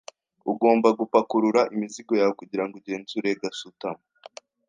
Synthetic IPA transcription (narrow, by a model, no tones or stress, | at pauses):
uɡo̞ːmbaɡupakuɾuɾaʔimiziɡo̞jaokuɟiɾaŋɡuɟe̞ːnzuɾe̞ɡasutamo